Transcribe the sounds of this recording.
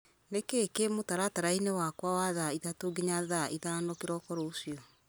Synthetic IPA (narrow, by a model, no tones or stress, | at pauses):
nekekemotaɾataɾainewakwawaðaiðatoɡeɲaðaiðanɔkeɾɔkɔɾoosiɔ